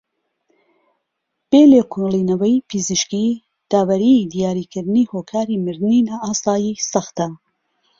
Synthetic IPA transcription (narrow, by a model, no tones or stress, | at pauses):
b̥eːleːkʰulˠiːnɐwɐjpʰiziʃki | d̪̥aːwɐɾid̪ijaːɾiːkʰɨɾd̪ɨniːhoːkʰaːɾiːmɨɾd̪ɨniːnaːʔaːsaːjiːsɐxt̪ɐ